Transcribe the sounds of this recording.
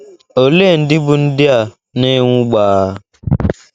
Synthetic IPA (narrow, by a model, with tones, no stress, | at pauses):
o˨le˦˨n̩˨dɪ˦bʊ˨n̩˦dɪ˦a˨ | ne˦ŋʷʊ˦ɡ͡baː˨˦